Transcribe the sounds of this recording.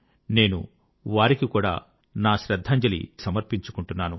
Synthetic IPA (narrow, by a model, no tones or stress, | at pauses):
ne̞ːnṵ | ʋaːɾikikuːɽa̰ː | naːʃɾɐd̪ʱːɐːɲd͡ʒɐlḭsɐmɐɾpiɲt͡ʃukuɳʈunːaːnṵ